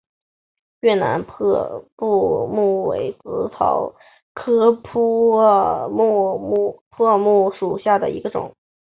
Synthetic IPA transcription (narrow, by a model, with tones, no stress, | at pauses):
ɥɛ˥˩na̰˧˥npʰɤ˥˧pu˥˧mu˥˩wḛ˧˩˥ɪt͡sɹ̩˧˥t͡s̪ʰɑ̰˨˩ʊ | kʰɤ˥pʰu˥ | mu˥˧u˥˧pʰɤ˥˧mu˥˩ʂu˨˩ɕja˥˩d̪ə̰˩i˧˥ɡə˧ʈ͡ʂʊ̰˨˩˦ŋ